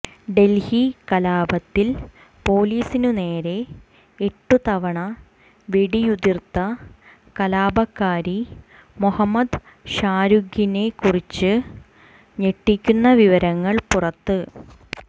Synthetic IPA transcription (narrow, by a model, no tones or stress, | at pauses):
ɖe̞lhikɐlaːbɐt̪ːil | po̞ːliːsinune̞ːɾe̞ | eʈːut̪ɐʋɐɳɐ | ʋeɽijud̪irt̪ːɐ | kɐlaːbɐkːaːɾi | muhɐmːɐd̪ | ɕaːɾuɡʱine̞kurit͡ɕːɨ | ɲe̞ʈːikʲːunːɐʋiʋɐɾɐŋːɐɭpurɐt̪ːɨ